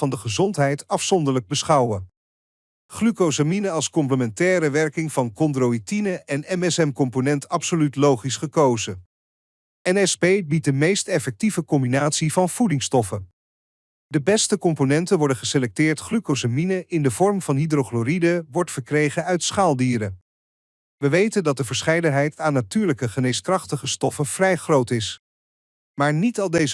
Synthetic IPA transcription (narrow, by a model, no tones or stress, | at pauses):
ɑndəχəzɔntɦɛjtɑfsɔndəɹləɡ̚bəsχɑwə | χlykosaminəɑlˠskɔmpləmɛntɛːɾəʋɛɹkɪŋvɑnkɔndrowitinəʔɛnɛmɛsɛmkɔmponɛntɑpsolytlowχisχəkowzə | ɛnɛspejbit̚dəmejstɛfɛk̚tivəkɔmbinaːtsivɑnv̥udɪŋstɔfə | dəbɛstəkɔmponɛntənʋɔɹdənχəselɛk̚tɪːɹtχrykosaminəʔɪndəvɔɹmv̥ɑnɦidroχloɾidəʋɔɹtfəɹkrejχənœɥtsχaːlˠdiːɾə | ʋəʋejtəndɑt̚dəvəɹsχɛjdənɦɛjtaːnːatyːɹləkəχənejskrɑχtəχəstɔfəvrɛjχrowtɪs | maːɹnitɑlˠdejz